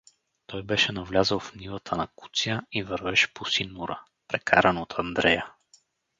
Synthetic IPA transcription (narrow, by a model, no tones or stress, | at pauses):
t̪ɔjbɛʃɛnɐvlʲazəlˠfnivˠət̪ʰənɐku̥t̪sijəivəɾvɛʃɛ̥posinːuɾə | pɾɛkʰa̰ɾənot̪ʰɐnd̪ɾɛjə